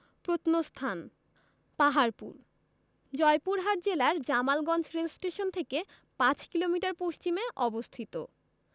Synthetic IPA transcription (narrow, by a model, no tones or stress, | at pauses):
pɾot̪nost̪ʰan | paɦaɾpṵɾ | d͡ʑɔjpuɾɦaʈd͡ʑelaɾd͡ʑamalɡɔnd͡ʑɾelsʈeʃont̪ʰeke | pãt͡ɕkilomiʈaɾpost͡ɕimeʔɔbost̪ʰit̪o̰